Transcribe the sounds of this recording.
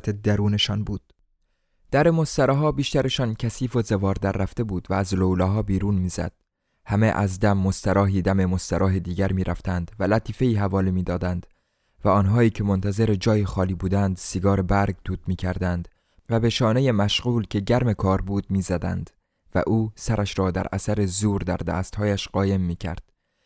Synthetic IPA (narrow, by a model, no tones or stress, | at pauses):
t̪ʰed̪æɾuːneʃɒːnbuːd̪̥ | d̪̥æɾe̞mo̞st̪æɾɒːɦɒːbiːʃt̪æɾe̞ʃɒːncʰæsiːfozevɒːɾd̪æɾːæft̪e̞buːd̪̥væːzlowlɒːɦɒːbiːɾuːnmiːzæ̰d̪̥̚ | hæmeʔæ̰zd̪æmːost̪æɾɒːɦiːd̪æme̞mo̞st̪æɾʔɒːɦed̪iːɟʲæɾmiːɾæft̪ænd̪̥vælæt̪ʰiːfe̞iːɦævɒːlimiːd̪ɒːd̪ænd̪̥ | væɒːnɦɒːiːcʰe̞mont̪ʰæze̞ɾed͡ʒɒːjexɒːliːbuːd̪ænd̪siɡɒːɾe̞bæɾɡt̪ʰuːt̪miːcʰæɾd̪ænd̪ | væbe̞ʃɒːneje̞mæʃɣuːlcʰe̞ɟæɾme̞kʰɒːɾbuːd̪̚miːzæd̪æ̰nd̪̥ | væ̰ʔuːsæɾʔæʃɾɒːd̪æ̰ɾʔæ̰sæɾezuːɾd̪æ̰ɾd̪æ̰ːst̪hɒːjæʃɢ̥ɒːje̞mːiːcʰæ̰ɾd̪̥